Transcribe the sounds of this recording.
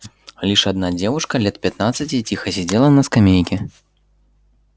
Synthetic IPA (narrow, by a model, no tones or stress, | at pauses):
lʲiʂad̪nad͡zʲɛvuʂkɐlʲɛt̪̚pʲat̪nat̪sːɐt͡sʲit͡sʲixɐsʲɛd͡zʲɛlˠɐnɐskamʲejkʲɛ